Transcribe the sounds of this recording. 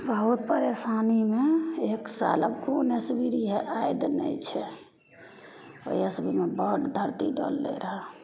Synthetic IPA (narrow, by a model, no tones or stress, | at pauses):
bəɦut̪̚pəɾesanimeeksa̰ləbkonesbiɾiɦeʔajd̪nə̰jt͡ʃʰɛ | o̰jəsbimebəʈ̪d̪ʱəɾt̪iɖɔ̰lːḛɾəɦɛ